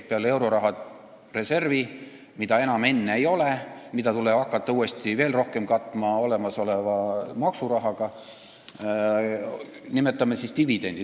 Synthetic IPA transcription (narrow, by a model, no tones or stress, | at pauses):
peɑle̞wɾo̞ɾɑɦɑ | re̞se̞rvi | mid̪̥ɑe̞nɑme̞nːeejo̞lemid̪̥ɑt̪uleɑkːˑɑt̪ːɑuːe̞st̪ive̞ːlro̞hke̞mkɑt̪ːˑmɑo̞lemɑso̞levɑmɑksuɾɑɦɑɡ̥ɑ | nimet̪ːˑɑmːesist̪ivid̪̥e̞nd̪̥i